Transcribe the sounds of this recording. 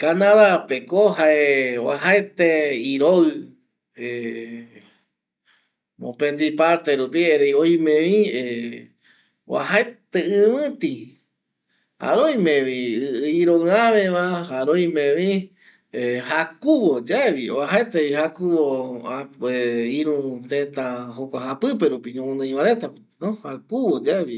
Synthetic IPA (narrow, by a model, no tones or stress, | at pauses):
kanãðapekohaewa̰ɦaet̪eiɾoɨ | e | mõpẽnd̪ipaɾt̪eɾupieɾejojmẽʋie | wa̰ɦaet̪eɨ̃mɨ̃t̪i | ha̰ɾojmẽʋĩiɾonɨ̃ãβeβahaɾojmẽʋĩ | ehakuwod͡ʒaβiwaɦaet̪eβihakuwoaeiɾũt̪ẽt̪ãɦokʷaɦapɨpeɾupiɲõmõnɨ̃ĩβaɾet̪ap | nõhakuwod͡ʒaβi